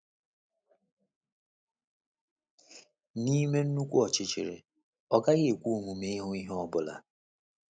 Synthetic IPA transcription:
ni˦me˦n̩˦nu˦kʷu˦ɔ˨t͡ʃɪ˦t͡ʃɪ̰˨ɾɪ̰˨ | ɔ˦ɡa˦ɣɪ˦e˨kʷu˦˨mu˨me˦ɦʊ˦i˦ɦɔ˦bʊ˦la̰˨

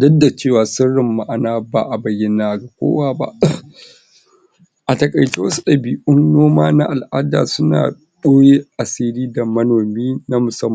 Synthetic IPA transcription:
dɐ˦dːa˨t͡ʃeː˦˨waː˨sɪ˦rːɪ˨mːa˦ʔa˨naː˦baː˨ʔa˨bɐ˨jɪ˦naː˨ɡa˨kʷo̰ː˦waː˦ba̰˦ʔ | ʔa˨tɐ˨kʼɐ˨jt͡ʃi˦wɐ˦su̥˦ɗɐ˨biː˨ʔʊ˦nnoː˦maː˦na̰˦ʔa˨lʔa̰ː˦da̰ː˨sʊ˦na̰ː˨ | ɗoː˦je˦ʔa˨siː˦liː˦da˨mɐ˦noː˨miː˦na˦mʊ˨sɐ˦mː˨

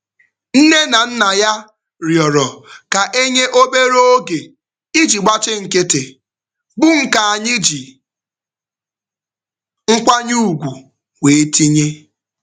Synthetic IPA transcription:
n̩˦ne˦na˨n̩˦na˨ja˦ | ɾjɔ˨ɾɔ˨ka˨ʔe˦ɲe˦ʔo˦be˦ɾo˦o˦ɡe˨ | i˦d͡ʒi˨ɡ͡ba˦t͡ʃɪ˦ŋ̩˨ke˦te˨ | bʊ˦ŋ̩˦ka˨a˨ɲɪ˦d͡ʒi˨ | ŋ̩˦kʷa˦ɲu˦u˨ɡʷu˨ | we˨e˦ti˦ɲe˦

